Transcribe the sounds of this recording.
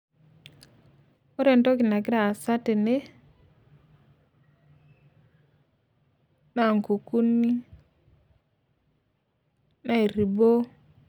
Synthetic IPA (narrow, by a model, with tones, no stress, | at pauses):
o˦ɾe˨nto˦kɪ˨na˨ɡɪ˦ɾaː˨sa˦te˨ne˦ | na˨ŋku˨ku˦ni˦ | na˦e˨ɾi˨bo˦